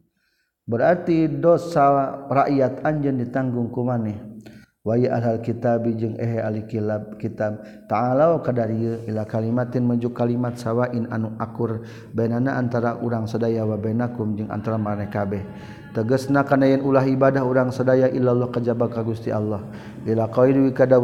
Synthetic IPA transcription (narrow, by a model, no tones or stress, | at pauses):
bəɾart̪idɔsːawaraʔjat̪aɲd͡ʒəndit̪aŋɡʊŋkumanɛ | wajəʔaɦalkit̪abid͡ʒəŋɛɦɛalikilab̚kit̪ab̚ | t̪aːlaokadaɾiəilakalimat̪ɪnməɲd͡ʒʊkːalimat̪sawaʔɪnanuʔakʊr | bajnanaʔant̪aɾaʔuɾaŋsədajawabanakumd͡ʒəŋʔa̰nt̪aɾamaɾnakabɛh | t̪əɡəsnakanajənulaɦibadaɦuɾaŋsədajaʔilːalːɔhkad͡ʒabakaɡust̪ialːɔh | ilakaiduikada